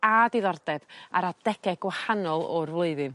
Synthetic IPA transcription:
adiðɔrdɛda̰ɾad̥ɛɡɛɡ̥wahanɔlˠɔrvlˠoɨðɨm

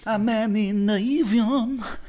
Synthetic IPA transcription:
amenĩnɐivjon

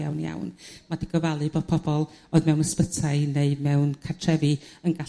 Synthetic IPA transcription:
a̰wnja̰wnmad̥iɡɔvalˠɨboːð̥̚pʰɔb̥ɔlˠoɨðmɛwnəspətʰaɨneɨmɛwnkʰartʰrɛvɨənɡa

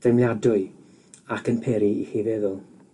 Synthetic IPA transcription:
d̥emljadʊɨ | akʰənpʰɛɾiihivɛðʊlˠ

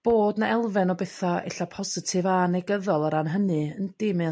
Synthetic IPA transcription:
b̥oːdnaɛlˠvɛnɔbɛθaɛ̰ɬapʰɔsɨtʰɨvanɛɡəðɔlˠaɾanɦənɨənd̥ɪmɨ

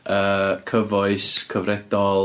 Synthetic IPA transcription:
əːkʰəvɔɨskʰəvrɛd̥ɔlˠ

